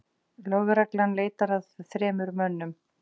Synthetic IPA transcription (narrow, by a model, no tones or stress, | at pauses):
lœɣɾaklanleːjt̪aɾaðθɾɛːmʏɾmœnːʏm